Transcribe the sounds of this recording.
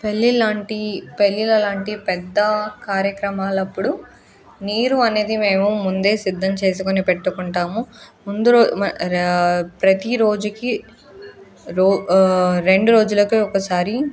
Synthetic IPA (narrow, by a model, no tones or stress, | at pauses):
pelːilaːɳʈipelːilɐlaːɳʈipɛd̪ːɐkaːɾjɐkɾɐmaːlɐpːuɽu | niːɾuɐne̞ːd̪ime̞ːmumund̪e̞ːsid̪ʱːɐmt͡ʃe̞ːs̬ukonipɛʈːukuɳʈaːmumund̪uɾː | pɾɐt̪iɾo̞ːd͡ʒuki | ɾoːɾe̞ɳɖuɾo̞ːd͡ʒulɐkiɔkɐsaːɾi